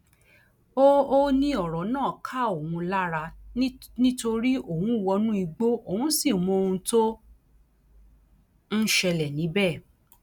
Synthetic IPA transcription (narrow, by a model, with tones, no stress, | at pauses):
o˦o˦nĩ˦ɔ˨ɾɔ˨˦nãː˦˨kʰa˦o˨hũ˧la˦ɾa˧ | nĩ˦to˧ɾi˦o˦˨hũ˨˦wɔ˧nũ˦i˧ɡ͡bo˦o˨hũ˨˦si˦˨mɔ̃˧o˧ũ˧to˦ | n̩˦ʃɛ˧lɛ˨nĩ˨˦bɛ˦˨